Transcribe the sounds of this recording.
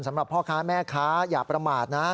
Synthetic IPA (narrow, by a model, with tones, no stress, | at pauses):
nsa˩˦mɾa˨˩pʰːɔː˥˩kʰaː˦˥mɛː˥˩kʰaː˦˥jaː˨˩pɾa˧maː˨˩t̪̚na˦˥